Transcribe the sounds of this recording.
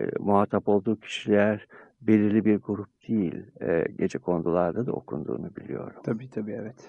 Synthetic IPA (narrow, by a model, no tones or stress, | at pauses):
muɦat̪ʰːapo̞lˠd̪uːcʰi̥ʃilʲæɾbe̞lʲiɾlʲibiɾɡuɾup̚d̪̥ejilʲɛ̰ɟed͡ʒɛkʰo̞nd̪ulˠaɾd̪ad̪a̰o̞̰kʰṵnd̪ṵːnubilʲḭjo̞̰ɾumt̪ʰabiːt̪ʰabiːɛvɛt̪